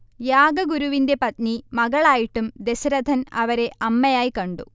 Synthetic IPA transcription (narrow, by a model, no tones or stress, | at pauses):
jaːɡɐɡuɾuʋinde̞pɐt̪nimɐɣɐɭaːjiʈːumd̪e̞sɐɾɐd̪ʱɐnɐʋɐɾe̞ʔɐmːɐjaːjikɐɳɖṵ